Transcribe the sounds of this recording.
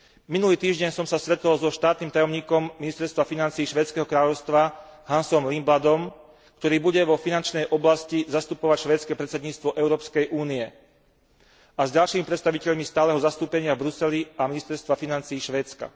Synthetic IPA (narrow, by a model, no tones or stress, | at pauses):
minuliːt̪iːʒɟɛɲsɔmsasɾɛt̪ɔlzɔʃt̪aːt̪niːmt̪ajɔmɲiːkɔmːinist̪ɛɾst̪ʋafinant͡siːʃʋɛːtt͡skɛːɦɔkɾaːʎɔʊst̪ʋaɦansɔmlimblad̪ɔm | kt̪ɔɾiːbuɟɛʋɔfinant͡ʃnɛjʔɔblascizast̪upɔʋacʃʋɛːt̪t͡skɛpɾɛt̪t͡sɛd̪ɲiːt͡st̪ʋɔʔɛʊɾɔːpskɛjʔuːniɛ | azɟalʃiːmipɾɛt̪st̪aʋicɛʎmist̪aːlɛɦɔzast̪uːpɛɲɪavbɾusɛliaminist̪ɛɾst̪ʋafinant͡siːʃʋɛːt͡ska̰